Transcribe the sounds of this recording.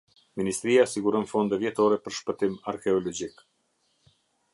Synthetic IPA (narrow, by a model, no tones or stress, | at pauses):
minist̪ɾiasiɡuɾɔnfɔnd̪ɛvjɛt̪ɔɾɛpəɾʃpət̪imaɾkɛɔlɔd͡ʑik